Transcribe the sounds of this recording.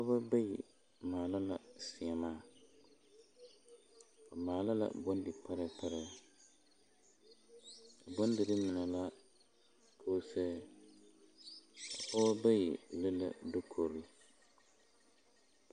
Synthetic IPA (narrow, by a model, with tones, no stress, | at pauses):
ka˦ba˦ba˦jḭ˨ | maː˨la˦la˨sɪ˨ɛ˨maː˦˨ | ka˨maː˨la˦la̰˨bɔ˦ndɪ˨pa˦ɾɛ˦pa˦ɾɛ˦ | a˨bɔ˦ndɪ˨ɾɪ˦mɪ˨nɛ˨la˦ | kʰoː˦sɛː˦˨ | ɔ˦ba˦ji˨lɪ˦la̰˦do˦kʰo˨ɾi˦